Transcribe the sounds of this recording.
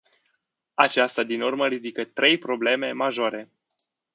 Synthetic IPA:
at͡ʃast̪ad̪inurməɾid̪ikət̪ɾʔe̞jpɾo̞ble̞me̞maʒoɾe̞

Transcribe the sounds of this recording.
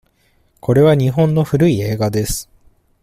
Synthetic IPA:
kʰo̞ɾe̞βaɲ̟iɦõ̞nːo̞ɸɯ̟ɾɯ̟ie̞ːɡad̪e̞sɨ̥

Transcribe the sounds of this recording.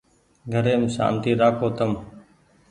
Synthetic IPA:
ɡʱəɾeːmsa̰ːnt̪iːɾaːkʰoːt̪əm

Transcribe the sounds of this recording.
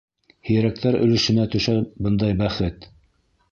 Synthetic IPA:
hɘ̆jɘɾæk̚t̪æɾɵ̆lɘ̆ʃɘ̆næt̪ɵ̆ʃæbɤnd̪ɑjbæχɘt̪

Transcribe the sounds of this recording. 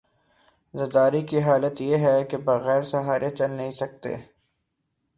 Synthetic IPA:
zɐd̪aːɾikiɦaːlət̪jeɦɛkebɐɣɛːɾsɐɦaːɾet͡ʃɐlnɐɦĩsɐk̚t̪ḛː

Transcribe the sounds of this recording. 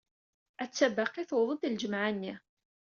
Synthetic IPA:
æt͡sːæbaqiθwðˤəd̪ld͡ʒəmʕanːi

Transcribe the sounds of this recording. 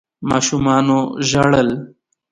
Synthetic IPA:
mɑ̰ːʃumɑːnoʒaɽəl

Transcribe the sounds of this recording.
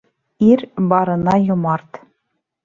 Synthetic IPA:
iɾbɑɾɤ̆nɑjŏmɑrt̪

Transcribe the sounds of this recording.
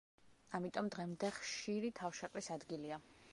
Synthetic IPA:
amit̪ʼɔmd̪ʁɛmd̪ɛχʃiɾit̪ʰafʃɛqʼlisad̪ɡilia

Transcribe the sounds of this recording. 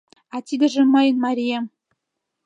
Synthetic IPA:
ɑt̪ʲid̪ɘ̆ʒĕmɤjə̆nmɑɾʲijem

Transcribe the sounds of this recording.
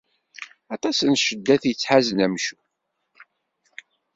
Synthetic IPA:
ɑt̪ˤɑsənʃəd̪ːæθjət͡sːħazənæmʃu̥

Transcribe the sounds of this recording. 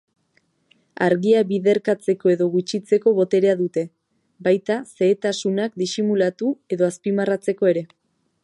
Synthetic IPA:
aɾɣiaβiðe̞ɾkat͡se̞ko̞e̞ðo̞ɣut͡ʃit͡se̞ko̞βo̞t̪e̞ɾe̞aðut̪e̞ | bajt̪ase̞ːt̪asunakd̪isimulat̪ue̞ðo̞aspimarat͡se̞ko̞e̞ɾe̞

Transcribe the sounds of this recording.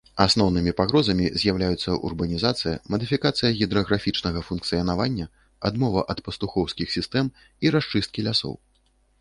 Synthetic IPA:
asnɔwnɨmʲipaɣɾɔzɐmʲizʲjawlʲajut̪sːɐʔṵrbɐnʲizat̪sɨjɐmɐd̪ɨfʲikat̪sɨjɐɣʲid̪ɾɐɣɾafʲit͡ʂnɐɣɐfunkt̪sɨjɐnavanʲːɐ | ad̪mɔvɐʔɐt̪pɐst̪uxɔwskʲixsʲist̪ɛm | iɾaʂt͡ʂɨst̪̚kʲilʲasɔ̰w

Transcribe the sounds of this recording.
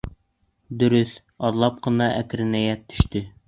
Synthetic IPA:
d̪ɵ̆ɾɵθ | ɒɾlˠɑp̚qɤ̆nɑʔækɾɘ̆næjæt̪ːɵ̥̆ʃt̪ɵ

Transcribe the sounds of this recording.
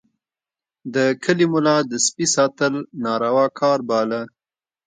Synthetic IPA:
d̪əkʰəlimʊlɑd̪əspisɑt̪əlnɑɾawɑkʰɑɾbɑla

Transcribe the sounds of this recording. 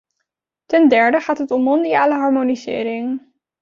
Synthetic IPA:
tɛndɛɹdəχaːtɦətɔmːɔndijaːləɦɑɹmonizɪ̰ːɾɪŋ

